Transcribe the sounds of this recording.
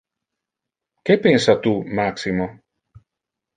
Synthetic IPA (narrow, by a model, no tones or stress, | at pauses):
kepensat̪umaksimo